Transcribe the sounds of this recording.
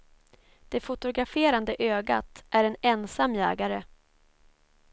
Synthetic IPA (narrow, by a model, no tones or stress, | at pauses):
d̪̥ɛfʊt̪ʊɡɾafeːɾand̪əʔøːɡa̰t̪ʔæɾɛnɛnsamːjɛ̰ːɡaɾə